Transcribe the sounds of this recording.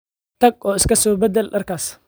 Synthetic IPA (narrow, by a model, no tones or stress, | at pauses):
t̪ʰɐɡ̚ɔːɪskʰɐsɔːbɛd̪ɛlɗɐrkʰaːs